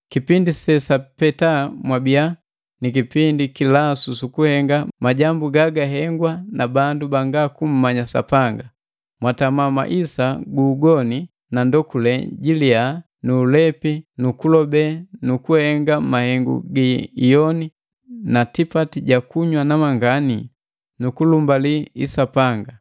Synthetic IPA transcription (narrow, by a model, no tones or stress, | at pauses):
kipindisɛsapɛtamwabia | nik̬ipindikilasusukuhɛŋɡamaɟambuɡaɡaɦɛŋɡwanabandubaŋɡakum̩maɲasa̰paŋɡa | mwatamama̰ʔisaɡuːɡɔni | nandɔkulɛɟilia | nuːlɛpinukulɔbɛnukuhɛŋɡamahɛŋɡṵɡijɔni | natipatiɟakuɲwanamaŋɡani | nukulumbaliḭsapaŋɡa